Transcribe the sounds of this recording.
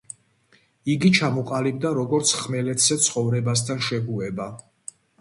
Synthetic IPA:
iɡit͡ʃʰamɔqʼalib̚d̪aɾɔɡɔɾt̪sʰχmɛlɛt̪ʰz̥ɛt̪sʰχɔvɾɛbas̬t̪ʰanʃɛɡuɛba

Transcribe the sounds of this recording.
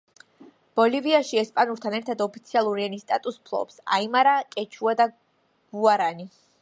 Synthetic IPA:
b̥ɔliviaʃiɛspʼanuɾt̪ʰanɛɾt̪ʰad̪ɔpʰit̪sʰialˠuɾianist̪ʼat̪ʼuspʰlˠɔ̰psa̰imaɾakʼɛt͡ʃʰuad̪a | ɡ̥uaɾani

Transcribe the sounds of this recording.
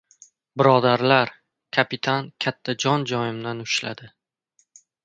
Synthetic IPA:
bɪɾɒd̪aɾlaɾ | kʲʰapɪt̪ʰankʲʰat̪ʰːad͡ʒɒnd͡ʒɒjɪmd̪anʊʃla̰d̪ɪ

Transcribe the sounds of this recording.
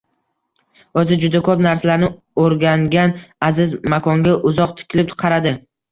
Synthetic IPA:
ozɪd͡ʒʊd̪akʰɵpnaɾsalaɾnɪ | oɾɡʲaŋɡʲanazɪzmakʰɒŋɡʲaʔʊzɒq̚t̪ʰɪ̥kʲʰɪlɪp̪̚qʰɑɾad̪ɪ

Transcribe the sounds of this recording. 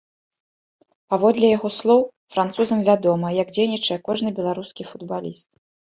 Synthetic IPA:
pavɔd̪lʲɛjaɣɔslˠɔw | fɾant̪suzɐmvʲad̪ɔmɐjɐɡd͡zʲejnʲit͡ʂɐjɛkɔʐnɨbʲɛlˠaɾuskʲifud̪balʲist̪̚

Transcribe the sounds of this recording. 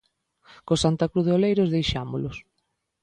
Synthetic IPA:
kosant̪akɾuðeolejɾʊzðejʃamʊlʊs

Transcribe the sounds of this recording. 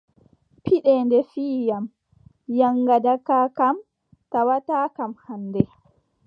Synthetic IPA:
pʰiɗɛndɛfiːjam | jaŋːɡadakaːkam | tawataːkamhanːdɛ

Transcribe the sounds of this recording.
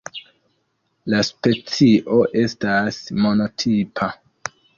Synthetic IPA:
laspe̞t͡siʔo̞ʔe̞stasmo̞no̞tʰipʰa

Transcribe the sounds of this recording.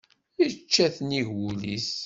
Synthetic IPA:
it͡ʃːæθniʝwulis

